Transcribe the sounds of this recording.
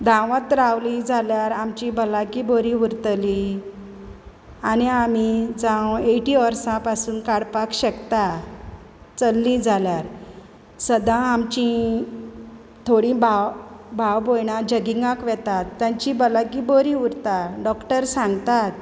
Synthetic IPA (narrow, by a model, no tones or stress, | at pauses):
d̪ʱãʋat̪ɾawlĩd͡zʱaljaɾamt͡ɕibəlaɡiboɾĩuɾt̪li | aniam̤id͡zãweʈiʋəɾsãpasuːnkaɽpakɕəkt̪a | t͡səlːĩd͡zʱaljaɾ | səd̪ãamt͡ɕĩ | t̪ʰoɽĩbʱawbʱawbojɳãd͡ʑəɡiŋɡãkʋɛt̪at̪ːjãɲt͡ɕibəlaɡiboɾĩuɾt̪aɖɔkʈəɾsãŋɡt̪at̪̚